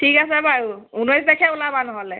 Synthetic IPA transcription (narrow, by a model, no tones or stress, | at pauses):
tʰikas̬ɛbaɹuunɔjs̬dɛkʰɛulabanɔɦɔlɛ